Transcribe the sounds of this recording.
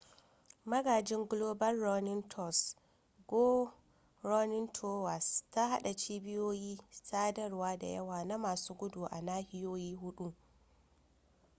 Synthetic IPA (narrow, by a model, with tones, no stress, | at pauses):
mɐ˦ɡaː˨d͡ʒɪ˦ŋɡloː˦bɐ˦rːɔ˦nɪ˦ntʰɔ˦˨s | ɡoː˦ | ɾɔ˦nɪ˦ntʰoː˦wa˨sta˦ɦa˦ɗa˨t͡ʃiː˦bɪ˦joː˦jiː˦saː˦dɐ˦rwaː˦da̰˨jɐ̰˦waː˨na˦maː˨suː˦ɡʷʊ˦du˨ʔa˨naː˦hɪ˦joː˦jiː˦ɦʊ˦ɗu˦